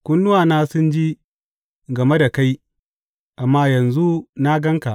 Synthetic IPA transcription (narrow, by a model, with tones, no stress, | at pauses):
kʷʊ˦nːʊ˦waː˨naː˦sʊ˦nd͡ʒi˦ | ɡɐ˨me˦da˨ka˦j | ʔa˨mːaː˦jɐ˨nzu˦na˦ɡɐ˦ŋka˨